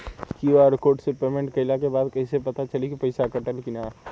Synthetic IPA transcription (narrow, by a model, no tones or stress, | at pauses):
kiaːɾkoːɾʈsepeːmẽɳʈkɐɪlakebaːd̪kɐɦisepɐt̪at͡ʃɐlikipɐɪsakɐʈəlkɪna